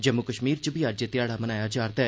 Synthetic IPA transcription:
d͡ʒəmːʊkəʃmiːɾt͡ʃbʱiːad͡ʒet̪ɪjaːɽaːmənaːjaːd͡ʒaːɾd̪aː

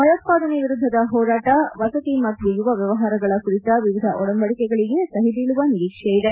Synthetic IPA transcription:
mɐjot̪̚paːd̪ɐneʋiɾud̪ʱːɐd̪ɐɦɔːɾaːʈɐʋɐsɐt̪imɐt̪ːjujuʋɐʋjɐʋɐɦaːɾɐɡɐɭɐkuɾit̪ɐʋiʋid̪ʱɐʔɔɽɐmbɐɭikɛɡɐɭiɡe̞sɐɦid̪iːɭuʋɐniɾiːkʂejid̪e

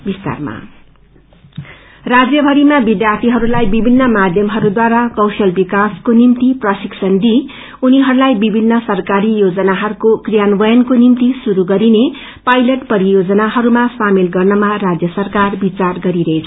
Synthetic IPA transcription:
bist̪a̰rma̰ | rad͡zjʌbʱʌɾimabid̪jart̪ʰiɦʌɾulajbibʱinːʌmad̪ʱjʌmɦʌɾud̪waɾakʌwsʌlbikaskonimt̪iprʌsiksʌnd̪i | uniɦʌɾulajbibʱinːʌsʌrkaɾijod͡zʌnaɦʌɾukokrijanbʌjʌnkonimt̪isuɾuɡʌɾine | pajlʌʈpʌɾijod͡zʌnaɦʌɾumasamilɡʌrnʌmarad͡zjʌsʌrkarbit͡sarɡʌɾiɾʌɦet͡sʰ

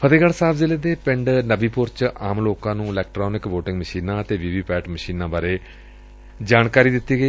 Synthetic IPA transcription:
pʰəd̪eːɡəlsaːbʰzɪleːd̪eːpɪ̃ɳɖnəbiːpʊɾt͡ʃaːmloːkãːnũːɪlɛːk̚ʈɾoːnɪkʋoːʈɪ̃ŋɡməʃiːnãːət̪eːʋiːʋiːpɛːʈməʃiːnãːbaːɾeː | d͡ʒaːɳkaːɾiːd̪ɪt̪ːiːɡəiː

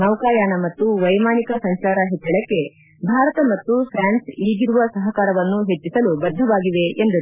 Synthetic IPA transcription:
nɐʋkaːjaːnɐmɐt̪ːuʋɐjmaːnikɐsɐŋʃaːɾɐɦet̪ːɐɭɐkːe̞ | bʱaːɾɐt̪ɐmɐt̪ːupʰɾaːnsiːɡiɾuʋɐsɐɦɐkaːɾɐʋɐnːuɦe̞t͡ʃːisɐlubɐd̪ʱːɐʋaːɡiʋe̞end̪ɐɾ

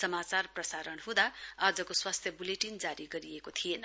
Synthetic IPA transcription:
sʌmat͡sarprʌsaɾʌnɦũd̪aʌd͡zʌkoswast̪ʰjʌbuleʈind͡zaɾiɡʌɾiekot̪ʰijenʌ

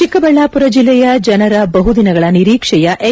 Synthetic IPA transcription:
ikɐbɐɭːaːpuɾɐd͡ʒilːɛjɐd͡ʒɐnɐɾɐbɐɦud̪inɐɡɐɭɐniɾiːkʂɛjɐʔʔe

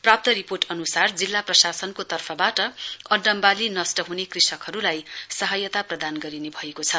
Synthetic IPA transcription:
prap̚t̪ʌɾiporʈʌnusard͡zilːaprʌsasʌnkot̪ʌrpʰʌbaʈʌʌɖːʌmbalinʌsʈʌɦunekrisʌkɦʌɾulajsʌɦʌjʌt̪aprʌd̪anɡʌɾinebʱʌekot͡sʰʌ

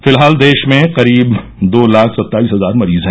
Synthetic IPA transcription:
fɪlɦaːld̪eːʃmẽqɐɾiːb | d̪oːlaːkʰsɐt̪ːaːiːsɦɐzaːɾmɐɾiːzɦɛ̃

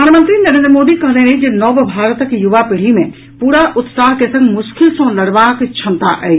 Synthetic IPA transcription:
aːnmə̃nt̪ɾinɐɾẽːnd̪ɾəmoːd̪ikɐɦd̪ẽneid͡ʒenɔːbbʱaːɾət̪əkjʊʋapɪɽ̤imẽ | puːɾaʔʊt̪saːɦkesɐ̃ŋɡmʊskɪlsõlɐɽʋaːkt͡ʃʰɐ̃nt̪aʔɛː

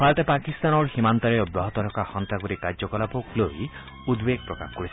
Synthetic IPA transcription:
pʰalt̪epakist̪anɔɾhimant̪ɔɾeɔbɾɔɦɔt̪ɔɾɔkaxɔnt̪ɾakuɾikaɾd͡ʒɔkɔlapokloj | ud̪beɡ̚pɾɔka̰xɔ̥kɔɾisʰi

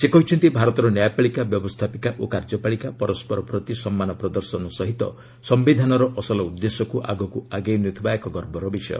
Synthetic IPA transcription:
sekɔɦit͡ʃʰɔnt̪ibʱaɾɔt̪ɔɾɔnjajpaɭikabjɔbɔst̪ʰapikaʔokaɾd͡ʒɔpaɭikapɔɾɔspɔɾɔpɾɔt̪isɔmːanɔpɾɔd̪ɔɾsɔnɔsɔɦit̪ɔ̰ | sɔmbid̪ʱanɔɾɔʔɔsɔlɔud̪ːesɔkuʔa̰ɡɔkuaɡejnut̪ʰibaekɔɡɔɾbɔɾɔbisɔ̰jɔ̰

